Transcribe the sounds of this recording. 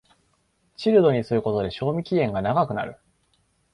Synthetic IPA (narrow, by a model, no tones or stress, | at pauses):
t͡ɕiɾɯ̟d̪o̞ɲ̟isɨɾɯ̟ko̞t̪o̞d̪e̞ɕo̞ːmʲikʲiẽ̞ŋɡanaɡakɯ̟na̰ɾɯ̟